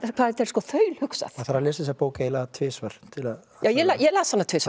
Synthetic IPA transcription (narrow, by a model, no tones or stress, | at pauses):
kʰvaːðɛt̪ɛɾ̥skɔθœːɥl̥hʏksa̰θθaɾalɪːsɪsapoːwkailaðat̪ʰvɪːsvœɾ̥t̪ʰɪla | jaːwjɛlajɛlaːsvanːat̪ʰvɪːsva